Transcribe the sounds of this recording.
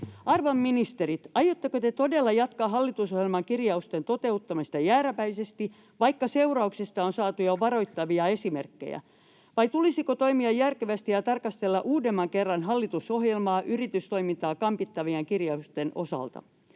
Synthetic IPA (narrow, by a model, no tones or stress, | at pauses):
ɑrʋɑmːinist̪eɾit̪ɑjot̪ːekøt̪et̪odelːɑjɑt̪kɑɦɑlːit̪usohjelmɑŋkirjɑust̪ent̪ot̪eut̪ːɑmist̪ɑjæːɾæpæisest̪i | ʋɑikːɑseurɑuksest̪ɑonsɑːt̪ujoʋɑro̞it̪ːɑʋiɑe̞simerkːḛjæ̰ | ʋɑit̪ulisikot̪o̞imiɑjjærkeʋæst̪ijɑt̪ɑrkɑst̪elːɑʔuːdemːɑŋkerːɑnɦɑlːit̪usohjelmɑːʔyrit̪yst̪o̞imint̪ɑːkɑmpit̪ːɑʋieŋkirjɑust̪enʔosɑ̰lt̪ɑ̰